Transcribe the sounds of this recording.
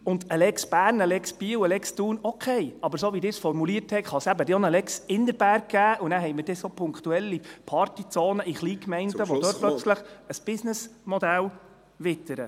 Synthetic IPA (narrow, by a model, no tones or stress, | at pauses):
ʊnd̪əlɛksb̥æːɾnəlɛksb̥iːəwəlɛkst̪uːnɔkʰɛɪɑbəɾsoːʋid̪ɪːɾsfɔɾmuliərthɛtχɑsæbədeonəlɛksɪndəɾb̥æɾk̚ɡ̥æːʔunæːɾɦɛɪməɾd̥ɛsoːpʰʊŋkχt̪uɛlːipʰɑrtit͡soːnəʔiχliːkmɛɪntəʋɔd̥̪øːɾt̚plœt͡sləχəsb̥ɪsnəsmɔd̪æl | ʋɪt̪ːəɾə